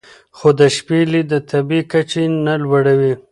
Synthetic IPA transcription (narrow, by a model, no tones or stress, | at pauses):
xod̪əʃpelid̪ət̪ʰabikat͡ʃenalwaɽawi